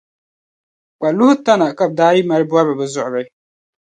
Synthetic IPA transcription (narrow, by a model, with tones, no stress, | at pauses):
k͡pa˨lʊ˦hʊ˦ta˦na˨ka˦˨b̚daː˦ɾi˦ma˦ɾɨ˦bʊ˦a˦bɨ˨bɛ˨zʊ˦ʔʊ˨bɛ˦